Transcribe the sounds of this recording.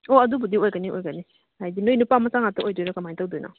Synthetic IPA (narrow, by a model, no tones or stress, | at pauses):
oɐdubudiojɡaniojɡani | hajdinoinupamɐsaŋatɐojdɔjɾakamajntawdojna̰